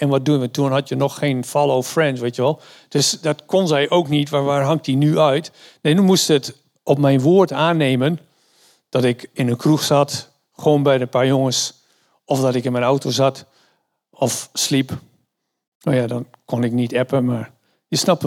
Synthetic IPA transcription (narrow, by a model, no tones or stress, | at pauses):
ɛnʋɔt̚duənʋətuənɦɔtjənɔxːeːnfɔlˠoːfrɛnts̬ʋejtjəʋɛlˠ | d̥øsdɔtkʰonzɛjʔowknitʋaʋaːɹɦaŋk̚t̚dinyœɥtneːnumustət | ɔpmɛjnʋoətaːnːeːmən | d̥ɔtɪkɪnənkʰruxsat | xoːnbɛjdənpaːɹjoŋəs | ɔfdɔtɪkɪnmɛnawtozat | ɔfslip | noːjadɔnkʰonɪknitɛpəmaɹ | jəsnap